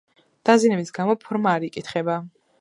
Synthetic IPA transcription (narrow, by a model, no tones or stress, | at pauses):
d̪̥azinɛbisɡamɔpʰɔɾmaːɾikʼit̪ʰχɛba